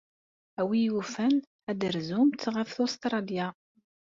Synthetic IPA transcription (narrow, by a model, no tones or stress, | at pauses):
æwijufən | æd̪əɾzumt̪ʁəfθost̪ɾˤɑlja